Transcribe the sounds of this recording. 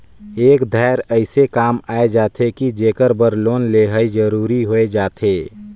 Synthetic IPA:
eːkd̪ʱɛːɾəɪsekaːmaːed͡ʒaːt̪ʰekid͡ʒeːkəɾbəɾloːnleːɦəid͡ʒəɾuːɾiɦoed͡ʒaːt̪ʰeː

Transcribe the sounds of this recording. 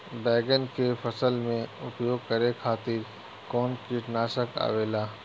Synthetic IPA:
bɛːɡənkepʰəsəlmẽʊpjoːɡ̚kəɾekʰaːt̪ɪɾ | kɔːnkiʈnaːʃəka̰ːʋeːlaː

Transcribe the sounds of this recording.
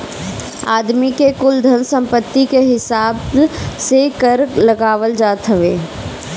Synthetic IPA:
a̰ːd̪mikekʊld̪ʱənsə̃mpət̪ːikeɦɪsaːbsekəɾləɡaːʋəld͡ʒaːt̪ɦəʋḛː

